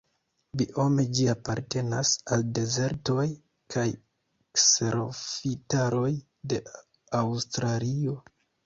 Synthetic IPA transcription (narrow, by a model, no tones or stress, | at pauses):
biʔo̞me̞d͡ʒiapaɾte̞nasalde̞ze̞ɾto̞j | kʰaj | ekseɾo̞fitaɾo̞j | de̞ | awstɾalio̞